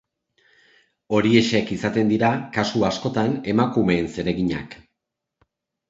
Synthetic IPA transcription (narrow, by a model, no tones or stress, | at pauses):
o̞ɾie̞ʃekisat̪e̞nd̪iɾakasuasko̞t̪ane̞makume̞ːnse̞ɾe̞ɣiɲa̰k